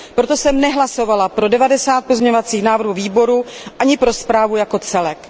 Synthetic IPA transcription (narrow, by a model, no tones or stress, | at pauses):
pɾo̞t̪o̞sɛmnɛɦlaso̞valapɾo̞dɛvadɛsaːt̪̚pozɲɛɲovat͡siːxnaːvr̩ɦuviːbo̞ɾuʔaɲɪpɾo̞spɾaːvujako̞t͡sɛlɛk